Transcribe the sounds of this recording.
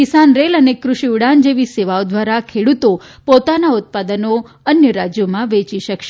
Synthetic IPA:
kisanɾelənekɾʊʃiuɽand͡ʒeʋiseʋaod̪ʋaɾakʰeɽut̪opot̪anaʊt̪̚pad̪əno | ənjəɾad͡ʒjomãʋet͡ʃiʃəkʃe

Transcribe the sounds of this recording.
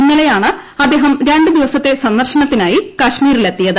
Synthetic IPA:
inːɐlejaːɳɨɐd̪eːɦɐmɾeɳɖɨd̪iʋɐsɐt̪ːe̞sɐnd̪ɐrɕɐnɐt̪ːinaːjikɐɕmiːɾilet̪ːijɐðɨ

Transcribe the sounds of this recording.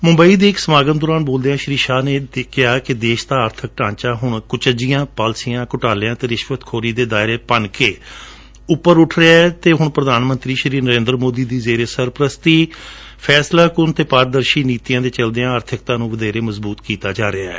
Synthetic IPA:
mʊ̃mbəiːd̪eːɪksəmaːɡət̪d̪ɔːɾaːnboːld̪eːãːʃɾiːʃaːneːkɪaːkɪd̪eːʃt̪aːəɾt̪ʰək̚ʈãːt͡ʃaːɦʊɳkʊt͡ʃəd͡ʒijãːpaːlsijãːkʊʈaːleãːt̪eːɾɪʃʋət̪kʰoːɾiːd̪eːd̪aːɪɾeːpənkeː | ʊpːəɾʊʈʰɾeaːt̪eːɦʊɳpɾəd̪aːnmə̃nt̪ɾiːʃɾiːnəɾẽːnd̪ɾəmoːd̪iːd̪iːzeːɾeːsəɾpɾəst̪iː | pʰɛːslaːkʊnt̪eːpaːɾ̚d̪əɾʃiːniːt̪ijãːt̪eːt͡ʃəld̪eːãːəɾt̪ʰɪk̚t̪ãːnũːʋəd̪eːɾeːməzbuːt̪kiːt̪aːd͡ʒaːɾɪaɛ̰ː

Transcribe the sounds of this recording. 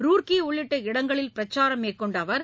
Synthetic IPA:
ɾuːrkiʊɭːɪʈːɐɪɽɐŋɡɐɭɪlpɪɾɐt͡ʃːaːɾɐmeːkːɔɳɖɐʋɐɾ

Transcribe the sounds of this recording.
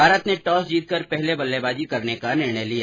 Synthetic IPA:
bʱaːɾət̪neʈɔːsd͡ʒiːt̪̚kəɾpɛɦlebɐlːebaːd͡ʒikɐɾnekanɪɾɳ̃əjlijaː

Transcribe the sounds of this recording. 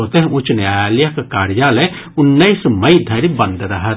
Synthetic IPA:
ot̪eɦʊ̃t͡ʃnjaːjaːljakekaːɾjaːle | ʊnːəɪsmɐid̪ʱɐɾibɐ̃nd̪ɾɐɦət̪

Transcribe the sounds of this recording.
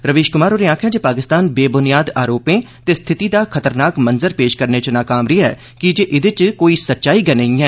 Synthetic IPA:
ɾəʋeːʃkʊmaːɾoːɾeãːkʰjãːd͡ʒeːpaːkɪst̪aːnbeːbʊnɪjaːd̪aːɾoːpẽː | t̪eːst̪ʰɪt̪iːd̪aːkʰət̪əɾnaːkmənzəɾpeːʃkəɾneːt͡ʃnaːkaːmɾɪɛ̰ː | kɪd͡ʒeːʔɪd̪ɪt͡ʃkoːiːsətːʃaːiːɡɛneĩːɛː

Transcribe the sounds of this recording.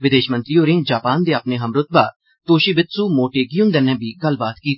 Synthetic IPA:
ʋɪd̪eːʃmənt̪ɾiːoːɾẽːd͡ʒaːpaːnd̪eːaːpneːɦəmɾʊt̪̚ba̰ː | t̪oːʃiːbɪt̪suːmoːʈeːɡiʊnd̪ɛːnɛ̃ːbiːɡəlːbaːt̪kiːt̪

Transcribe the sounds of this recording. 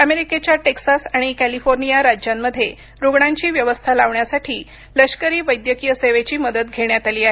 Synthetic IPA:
əmeɾiket͡ɕjaʈeksasaɽ̃ikælifoɾnijaɾad͡ʑjamːəd̪ʱːje | ɾoɡɳaɲt͡ɕiːʋjəʋəst̪ʰalaʋɳjasaʈʰiː | ləɕkəɾiːʋəjd̪jəkijəseʋet͡ɕiːməd̪ət̪̚ɡʱeɽjat̪aliːaɦe

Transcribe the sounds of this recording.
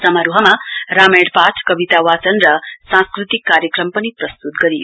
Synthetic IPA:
sʌmaɾuɦʌmarameɽpat͡sʰkʌbit̪awat͡sʌnrʌsãskrut̪ikːaɾjʌkrʌmpʌniprʌst̪ut̪̚ɡʌɾijo

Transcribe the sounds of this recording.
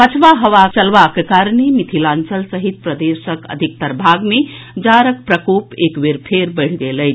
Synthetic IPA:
pət͡ʃʰʋaɦəʋat͡ʃəlʋakekaɾnemit̪ʰilãnt͡ʃəlsəɦit̪̚pɾəd̪esəkə̰d̪ʱik̚t̪əɾbʱaɡme | d͡ʒaɾək̚pɾəkopekbeɾpʰeɾbəɪɽ̤ɡelət͡ʃʰ

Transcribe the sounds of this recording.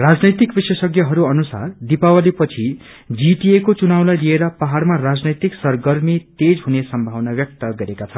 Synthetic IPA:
rad͡znʌjt̪ikbisesʌɡjʌɦʌɾuʌnusa̰rd̪ipawalipʌt͡sʰi | d͡ziʈiekot͡sunawlajlieɾʌpaɦaɽmarad͡znʌjt̪iksʌrɡʌrmit̪ed͡zɦunesʌmbʱawnabjʌk̚t̪ʌɡʌɾekat͡sʰʌ

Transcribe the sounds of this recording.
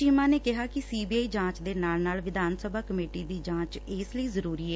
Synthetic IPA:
iːmãːneːkɪɦaːkɪsiːbiːaːiːd͡ʒãːt͡ʃd̪eːnaːlnaːlʋɪd̪ʱaːnsəbaːkəmeːʈiːd̪iːd͡ʒãːt͡ʃɪsləiːzəɾuːɾiːɛː

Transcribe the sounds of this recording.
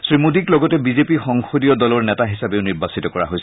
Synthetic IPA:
sɹimudiklɔɡɔtɛbizepixɔŋxodijɔdɔlɔɹnɛtaɦisabeʊniɹbasitɔkɔɹa̰ɦojs

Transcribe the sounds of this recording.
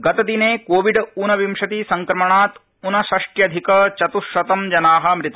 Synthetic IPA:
ɡɐt̪ɐd̪ineːkoːʋiɖunɐʋimʂɐt̪isɐŋkɾɐmɐɳaːt̪ | unɐʃɐʂʈjɐd̪ʱikɐt͡ʃɐt̪uʃʋɐt̪ɐmd͡ʒɐnaːɦɐ̆mɾit̪ɐ

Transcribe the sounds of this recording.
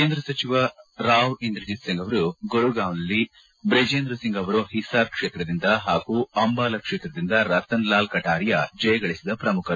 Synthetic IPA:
keːnd̪ɾɐsɐt͡ʃiʋɐɾaːʋind̪ɾid͡ʒisiŋɡɐʋɐɾuɡoɭuɡaːʋnɐlːi | bɾed͡ʒeːnd̪ɾɐsiŋɡɐʋɐɾuhisaːɾkʂeːt̪ɾɐd̪ind̪ɐɦaːɡuːɐmbaːlɐkʂeːt̪ɾɐd̪ind̪ɐɾɐt̪ɐnlaːlkɐʈaːɾijɐd͡ʒɐjɐɡɐɭisid̪ɐpɾɐmukʰɐ

